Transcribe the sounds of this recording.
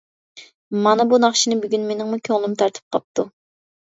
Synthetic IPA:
mɑnɨbunɑχʃinɨbyɡʲynmenɪŋmukʲʰøŋlˠɨmt̪ʰɑɾt̪ʰɨ̥p̚qʰɑp̚t̪u

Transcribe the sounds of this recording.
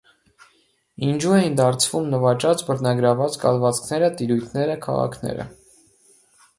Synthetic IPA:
ind͡ʒuɛjind̪ɑɾt͡sʰv̥umnəvɑt͡ʃɑt͡sbəɾnɑɡɾɑvɑt͡skɑ̰lvɑt͡skʰnɛɾət̪iɾujt̪ʰnɛɾəkʰɑ̰ʁɑ̰kʰnɛ̰ɾə̰

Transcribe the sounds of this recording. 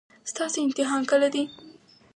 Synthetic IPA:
st̪ɑseɪmt̪ɪɦɑnkəlad̪i

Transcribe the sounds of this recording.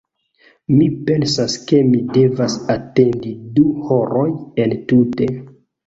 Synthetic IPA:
mipe̞nsaske̞mide̞vasate̞ndiduhoɾojentute̞

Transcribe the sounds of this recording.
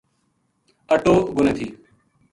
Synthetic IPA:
əʈoːɡʊneːt̪ʰiː

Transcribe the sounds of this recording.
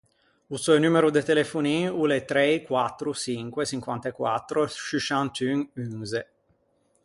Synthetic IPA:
usɔjnumeɾud̪et̪elefuniulet̪ɾejkwat̪ːɾusiŋkwesiŋkwant̪ekwa̰t̪ːɾoʃiʃant̪yŋyŋze

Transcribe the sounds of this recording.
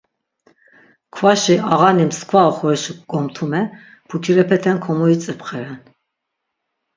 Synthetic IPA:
kʰvaʃiaʁanimskʰvaɔχɔɾɛʃikɡɔmt̪ʰumɛ | pʰuk̪ʰiɾɛpʰɛt̪ʰɛnkʰɔmuit͡sʼɛpʰχɛɾɛn

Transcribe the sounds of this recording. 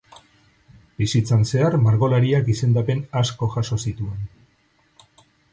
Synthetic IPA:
bisit͡sanse̞armaɾɣo̞laɾiakise̞nd̪ape̞nasko̞xaso̞sit̪ue̞n

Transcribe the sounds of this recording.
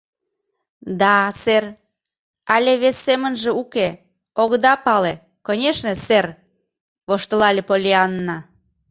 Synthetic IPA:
d̪ɑser | ɑlʲeβesːemənʒĕuke | oɣd̪ɑpɑle | konʲeʃnĕser | βoʃt̪əlɑlʲepolʲiɑnːɑ

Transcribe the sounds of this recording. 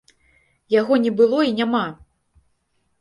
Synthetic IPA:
jaɣɔnʲɛbɨlˠɔinʲama

